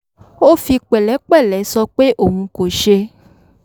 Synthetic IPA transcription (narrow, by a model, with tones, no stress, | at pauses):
wo˦fi˧k͡pɛ˨lɛ˨˦k͡pɛ˦˨lɛ˨˦sɔ˧k͡pe˦ʔo˨ŋũ˧ko˨ʃe˧